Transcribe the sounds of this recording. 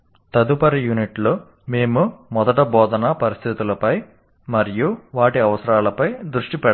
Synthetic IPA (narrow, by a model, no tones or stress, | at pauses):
t̪ɐd̪upɐɾijuniʈloː | meːmumɔd̪ɐʈɐbɔːd̪ɐnɐpɐɾist̪ʰit̪ulɐpɐj | mɐɾijuʋaːʈiɐʋɐsɐɾaːlɐpɐjd̪ɾuʂʈipɛɽ